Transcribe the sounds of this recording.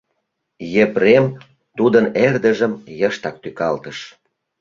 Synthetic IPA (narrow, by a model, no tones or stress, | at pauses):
jeprem | t̪ud̪ənerd̪ə̆ʒə̆mjəʃt̪ɑk̚t̪ykɑlt̪əʃ